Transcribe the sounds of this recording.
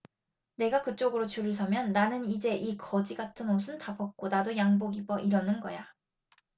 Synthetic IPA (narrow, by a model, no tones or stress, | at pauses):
ne̞ɡakɯt͡ɕ͈oɡɯɾot͡ɕuɾɯɭs̬ʰʌmjʌnːanɯnid͡ʑe̞ʔikʰʌd͡ʑiɡatʰɯnosʰɯntapʰʌk̚k͈onadojaŋboɡibʌʔiɾʌnɯnɡʌja